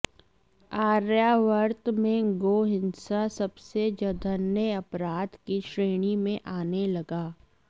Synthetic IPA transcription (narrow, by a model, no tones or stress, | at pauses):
aːɾjaʋəɾt̪mẽɡoːɦɪ̃nsasɐbsed͡ʒəd̪ʱənːeɐpɾaːd̪kiʃɾeːɽ̃imẽʔaːnelɐɡaː